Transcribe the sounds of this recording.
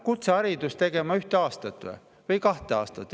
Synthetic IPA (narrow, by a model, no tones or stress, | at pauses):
kut̪seɑɾid̪̥ust̪e̞ɡ̥e̞mɑyht̪eɑːst̪ɑt̪ˑːḛ | vɤjkɑht̪eɑ̰ːst̪ɑt̪ˑː